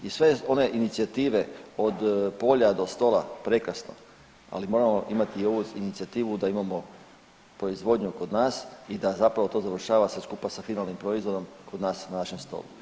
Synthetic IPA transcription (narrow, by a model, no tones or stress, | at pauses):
isʋe̞o̞ne̞ʔinit̪siat̪iːʋe̞o̞d̪po̞ːʎad̪o̞st̪o̞ːlapɾe̞kɾasno̞̰ | a̰limo̞ːɾamo̞ʔimat̪iːo̞ʋuinit̪siat̪iːʋud̪aimamo̞ | pɾo̞izʋo̞d̪ɲuko̞d̪naːsid̪azapɾaʋo̞t̪o̞zaʋr̩ʃaːʋaseskupasafinalˠnimpɾo̞izʋo̞d̪o̞mko̞d̪naːsnanaʃe̞mst̪o̞̰lṵ